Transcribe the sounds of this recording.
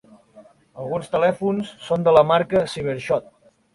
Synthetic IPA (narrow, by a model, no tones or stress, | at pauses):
əlˠɣunst̪əlɛfunsːond̪ələmaɾkəsiβ̞əɾʃɔt̪̚